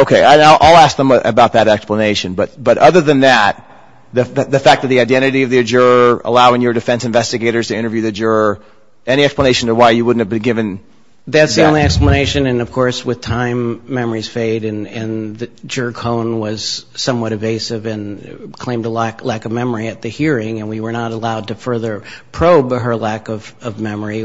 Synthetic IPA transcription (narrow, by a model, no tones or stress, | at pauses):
oʊkʰeɪaɪnaɪʔaɪlˠæsk̚ðə̃mʔɨ̰baʊt̪̚ðɨɾɛkspləneɪʃɨ̃nbʌt̪̚b̥ʌɾʌðə˞ðɨ̃nðɨt̪̚ | ðɨðɨðɨfæk̚ðɨt̪̚ðiaɪdɛ̃ɾ̃ɨɾiʌvðiɨd͡ʒʊ˞ə̰laʊɪ̃ŋjə˞dɨfɛ̃nsɨ̃ɱvɛstɨɡeɪɾə˞z̥tʰɨɪ̃ɾ̃ə˞vjʉðɨd͡ʒə˞ | ɛɾ̃iɛksplə̃neɪʃn̩təwaɪjɨwʊdⁿn̩thɨvbɨ̃nɡɪvɨ̃n | ðætsðiõʊ̃nlˠiɛkspləneɪʃɨ̃nɨ̃nʌv̥kʰɔɹswɨð̥tʰãɪ̃mːɛmə˞iz̥feɪɾɨ̃nɨ̃nðd͡ʒɜ˞kʰõʊ̃nwʌz̥sʌ̃mwʌɾɨveɪsɪvɨ̃nkʰl̥ẽɪ̃mdəlæklækʌvmɛmə˞iɨt̪̚ðɨhiɹɪ̃ŋɨ̃nwiwə˞nəɾəlaʊd̚tɨfɜ˞ðə˞pʰɹ̥oʊbɦə˞lækʌv̥ʌvmɛmə˞i